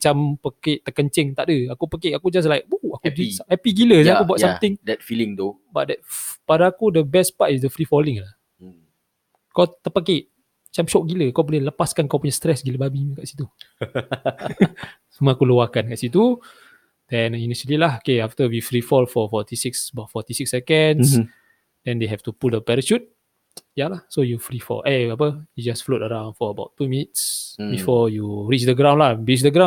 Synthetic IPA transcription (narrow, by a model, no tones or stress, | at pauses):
t͡ʃampəkeʔt̪əkəɲt͡ʃɪŋt̪aʔdəakupəkeʔakud͡ʒas̬lajk̚buakusaɛpiɡiləsakubuaʔjsamt̪ɪŋdɛt̚filɪŋt̪o | baʔ̚dɛt̚padaakudəbɛspatis̬dəfɾifɔlɪŋlah | kawt̪əpəkeʔ | at͡ʃamʃɔʔ̚ɡiləkawbolɛhləpaskankawpuɲast̪ɾɛsɡiləbabimikaʔsi̥t̪u | sumakuluwakankaʔsit̪̬u | d̥ɛ̃niniʃəlilahokeaft̪əwifɾifɔlfɔfɔt̪isiksəbatfɔt̪isiksːɛkəns | dɛ̃ndeɦɛft̪upuldəpɛɾəʃut̚ | jalahsojufɾifɔ̰lʔeap̬əjud͡ʒasflotəɾãw̃nfɔəbaʊtːumĩnitsbifɔjuɹit͡ʃdəɡɾãw̃nlahbit͡ʃdəɡɾãn